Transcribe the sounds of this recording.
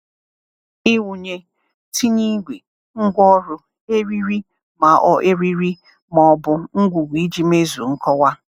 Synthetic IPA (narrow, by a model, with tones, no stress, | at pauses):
i˦wu˨ɲe˦ | tʰi˦ɲi˦ɡʷi˨ | ŋ̩˦ɡʷɔ˦ɾʊ˦ | e˦ɾi˦ɾi˦ | ma˨ʔɔ˨ʔe˦ɾi˦ɾi˦ | mɔ˨ɔ˦bʊ˦ŋ̩˦ɡʷu˨ɡʷi˨˦d͡ʒi˦me˦zu˨ŋ̩˦kɔ˦wa˦